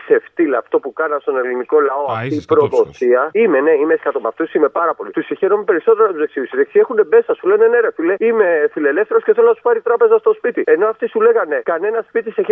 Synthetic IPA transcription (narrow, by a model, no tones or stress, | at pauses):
se̞ft̪ilɐft̪o̞pukɐnɐst̪o̞ne̞liniko̞lɐo̞ɐft̪iːpɾo̞vo̞siɐime̞ne̞imeeskɐt̪omɐft̪usime̞pɐɾɐpo̞lit̪usiçeɾomepe̞ɾiso̞t̪e̞ɾɐt̪uze̞ksiðisizeksie̞xune̞me̞sɐsule̞ne̞neɾefile̞ime̞file̞le̞fθe̞ɾosceθelonɐsu̥pɐɾit̪ɾɐpe̞zɐst̪o̞spit̪ie̞no̞ɐft̪isule̞ɣɐne̞kɐne̞nɐspit̪iseçi